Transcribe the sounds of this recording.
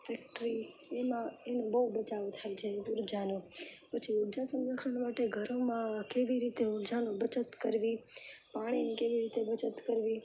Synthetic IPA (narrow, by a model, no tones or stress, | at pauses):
fɛkʈɾi | emãenõbəubət͡ʃaʋot̪ʰajt͡ʃʰeʊɾd͡ʒanopət͡ʃʰiuɾd͡ʒasə̃ŋɡəɾkʰənmaʈeɡʱəɾomãkeʋiɾit̪euɾd͡ʒanobət͡ʃət̪kəɾʋipaɽ̃inikeʋiɾit̪ebət͡ʃət̪kəɾʋi